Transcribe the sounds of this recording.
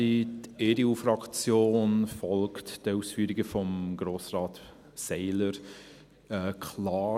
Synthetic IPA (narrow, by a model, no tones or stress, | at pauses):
iteɾiuːfɾɑkt͡sjoːnfɔlktd̥əuːsfyːɾɪɡəfɔmɡɾoːsrɑːt | sɛɪləɾ | ɛkʰlɑː